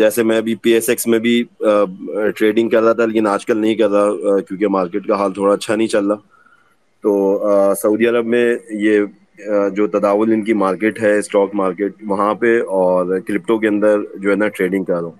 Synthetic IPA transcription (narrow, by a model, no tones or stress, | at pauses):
d͡ʒɛːsemɛ̃ɐbʱipiːɛsɛksmẽbʱi | ʈɾeːɖɪ̃ŋɡ̚kɐɾːaat̪ʰaleːkɪnaːd͡ʒkəlnɐɦĩkɐɾːakjõːkemaːɾkeːʈkaɦaːlt̪ʰoːɽaɐtːʃʰanɐɦĩt͡ʃɐlːaː | t̪oːsɐuːd̪iɐɾəbmẽje | d͡ʒoːt̪ɐd̪aːʋʊlɪnkimaːɾkeːʈɦɛsʈɔːkmaːɾkeːʈ̚ʋɐɦãpeɔːɾklɪp̚ʈõk̬eɐ̃nd̪əɾd͡ʒoːɦɛnaʈɾeːɖɪ̃ŋɡ̚kɐɾːõː